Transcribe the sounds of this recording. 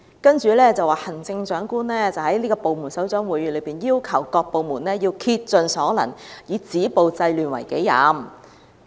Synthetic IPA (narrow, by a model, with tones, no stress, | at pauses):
kɐ˥nt͡ʃyː˨˧lɛː˥˩t͡sɐ˨waː˨˩hɐ˨˩nt͡sɪ˧ŋt͡ʃœː˨˥ŋkuː˥nlɛː˥t͡sɐ˨˩whɐ˨˥jliː˥kɔː˧po˨wmuː˨˩nsɐ˨˥wt͡ʃœː˨˥ŋwuː˨˥jɥyː˨˧˥lɵ˨˧ɥpiː˨˩njiː˥wkʰɐ˨˩wkɔː˧k̚po˨wmuː˨˩nlɛː˥jiː˧wkʰiː˧t̚t͡ʃɵ˨nsɔː˨˥lɐ̰˨˩ŋjiː˨˧˥t͡siː˨˥po˨wt͡sɐ˧jlyː˨˩nwɐ̰˨˩jke˨˥jːa̰ː˨˥m